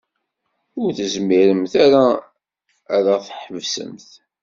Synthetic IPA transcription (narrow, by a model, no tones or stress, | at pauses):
ʊɾθəzmiɾəmθaɾaː | ɾaθħəvsə̰mθ